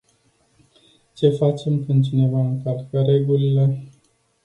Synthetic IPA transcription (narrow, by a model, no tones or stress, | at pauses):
t͡ʃe̞fat͡ʃe̞mkɨnt͡ʃine̞vaɨŋkalkəɾe̞ɡulile̞